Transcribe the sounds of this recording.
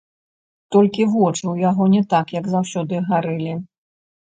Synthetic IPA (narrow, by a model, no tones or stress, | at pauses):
t̪ɔlʲkʲivɔt͡ʂɨwjaɣɔnʲɛt̪akjɐɡzawsʲɔd̪ɨɣaɾɨlʲi